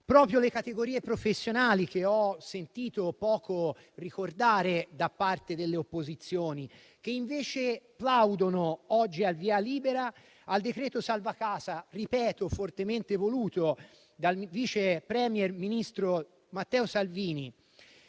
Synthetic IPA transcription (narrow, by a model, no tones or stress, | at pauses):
pɾɔːpɾjolekat̪eɡoɾiːepɾofesːjonaːlikeɔsent̪iːt̪opɔːko | rikord̪aːɾed̪apːart̪ed̪elːeopːozit̪sːjoːni | k̟eiɱveːt͡ʃeplawd̪onoɔd͡ʒːialviːaliːbeɾa | ald̪ekɾɛːt̪osalvakaːzaripɛːt̪ofort̪ement̪evoluːt̪o | d̪alviːt͡ʃepɾɛmjɛrminist̪ɾo | mat̪ːɛːosalviːni